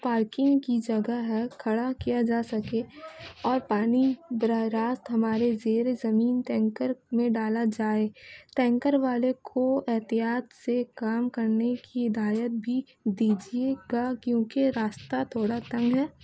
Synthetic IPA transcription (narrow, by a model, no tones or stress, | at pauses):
paːɾkɪ̃ŋɡkid͡ʒɐɡəɦɛkʰɐɽakijad͡ʒaːsɐkeɔːɾpaːnibɾəɾaːst̪ɦɐmaːɾezeːɾezɐmiːnt̪ɛ̃ːŋkəɾmẽɖaːlad͡ʒaːet̪ɛ̃ːŋkəɾʋaːlekʰoɛɦt̪ijaːt̪sekaːmkɐɾnekiɦɪd̪aːjət̪̚bʱi | d̪iːd͡ʒieɡakjõːkeɾaːst̪at̪ʰoːɽat̪ɐ̃ŋɡɦɛː